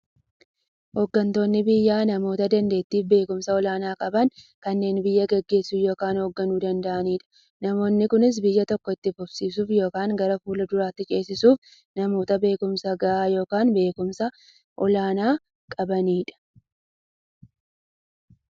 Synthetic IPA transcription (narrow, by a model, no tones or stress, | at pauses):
hoːɡːɐnt̪o̞ːnːɪbɪjːaːnɐmo̞ːt̪ɐd̪ɐnd̪e̞ːt̪ːiːfbe̞ːkʊmsɐɔlaːnaːkʼɐbɐŋkɐnːe̞ːnbɪjːɐɡɛɡːe̞ːsːuːjo̞ːkaːnhoːɡːɐnuːd̪ɐnd̪ɐʔɐniːᶑɐ̥ | nɐmo̞ːnːɪkʊnɪs̬bɪjːɐt̪ɔkːɔɪt̪ːɪfʊbsiːsuːfjo̞ːkaːŋɡɐɾɐfuːlɐd̪ʊɾaːt̪ːɪt͡ʃʼe̞ːsːɪsuːf | nɐmo̞ːt̪ɐbe̞ːkʊmsɐɡɐʔaːjo̞ːkaːnbe̞ːkʊmsɐ | ʔɔlaːnaː | kʼɐbɐniːᶑɐ̥